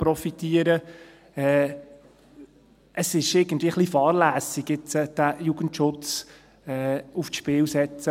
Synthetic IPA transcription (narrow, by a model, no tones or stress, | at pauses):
pɾɔfit̪iːəɾə | ɛː | ʔəsɪʃɪɡ̥ən̩tv̥ʋiəχlifɑːɾlæːsiɡjɪt͡səd̥æjuɡ̥əntʃʊt͡s | ɛːufʃpɪlsɛt͡sə